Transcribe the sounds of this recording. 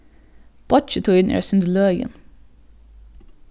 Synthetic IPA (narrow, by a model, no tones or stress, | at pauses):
b̥ɔt͡ʃət̪ʰuːɪnʔɛ̰ːsʉnd̪əlœːɡə̰n